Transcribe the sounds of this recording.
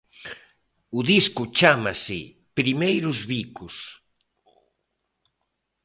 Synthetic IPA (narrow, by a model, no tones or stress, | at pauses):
ʊðiskʊt͡ʃamasɪ | pɾimejɾʊzβikʊs